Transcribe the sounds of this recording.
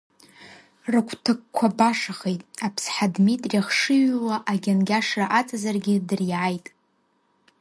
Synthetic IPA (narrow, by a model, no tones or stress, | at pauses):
rɨkʷʰtʰɨkkʷʰabaʂaχejtʼapʰsħadmitʼriaχʂɨɥlaʔaɡʲanɡʲaʂraʔat͡sʼazarɡʲɪdɨriʕajtʼ